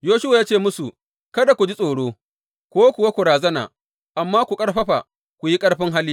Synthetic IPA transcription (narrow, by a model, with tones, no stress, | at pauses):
joː˦ʃʊ˦wa˨jaː˦t͡ʃeː˦˨mʊ˦su˨ | kɐ˦da˨kʷu˨d͡ʒi˦sʼoː˨ɽoː˦ | kʷoː˦kʷʊ˨wa˦kʷu˨ɾaː˨zɐ˦na̰ː˨ | ʔa˨mːaː˦kʷu˨kʼɐ˦ɽɸɐ˦ɸa̰˨ | kʷu˨ji˦kʼɐ˦ɽɸɪ˦ŋɦa˦lːiː˦